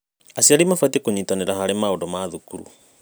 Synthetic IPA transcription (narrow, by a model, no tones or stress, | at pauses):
asiaɾimafwatekoɲitaneɾahaɾemaondɔmaðukuɾṵ